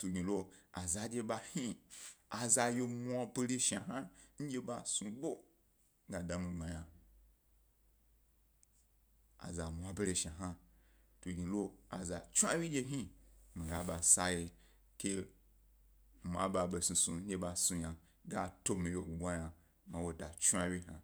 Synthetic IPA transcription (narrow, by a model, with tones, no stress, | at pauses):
tu˨ɡʲi˨lo˧a˨za˧d͡ʒʲe˧ba˧hi˦a˨za˧jo˧mʷ˦a˧be˦ɾe˦ʃa˨ɦa˦n̩˦d͡ʒʲe˦ba˧sũ˧bo˦ | ŋ˦ɡa˨da˨mĩ˧ɡ͡ba˨ja˨ | a̰˨za˨mʷ˨a˧be˦ɾe˧ʃa˨ɦa˦ | to˨ɡĩ˨lo˦a̰˨za˨t͡ʃu˦a˦wi˦d͡ʒʲe˧ɦi˦mi˨ɡa˨ba˨sa˧je˧ | ke˦˨ | ma̰˨ba˨be˧sũ˨sũ˨ɲ̩˦d͡ʒʲe˧ba˧sũ˧ɲa˨ | ɡa˦to˦mĩ˨jo˨bʷa˦ja˨ | mã˨wo˨da˨t͡ʃu˦a˧wi˦ɦa˨